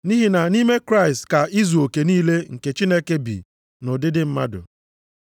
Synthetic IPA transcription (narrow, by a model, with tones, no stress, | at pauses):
ni˦ɦi˨na˨ni˦me˦kɾa˦ɪ˨stka˨i˦zu˨o˨ke˨niː˦le˦ŋ̩˨ke˨t͡ʃi˦ne˦ke˦bḭ˨ | no˨dɪ˦dɪ˦m̩˦ma̰˦dʊ̰˨